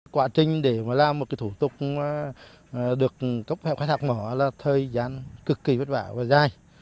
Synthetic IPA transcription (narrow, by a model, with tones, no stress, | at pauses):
kwaː˧˩t͡ɕï˨˩ŋ̟ɗe˧˩maː˨˩laː˨˧˩mo˨˩kaː˨˦jt̪ʰu˧˩t̪ʊ˨˩k͡p̚ː | ɗɨ˨˩ək̚kə˦˥p̚fɛ̰˧˨pkxa˨˦t̪ʰaː˨˩k̚mɔ˧˩˦laː˨˩t̪ʰəː˨jzaː˨˦nkɨ˨˩kːi˨˩və˦˥t̚va̰ː˧˩vaː˨˩zaː˧˩j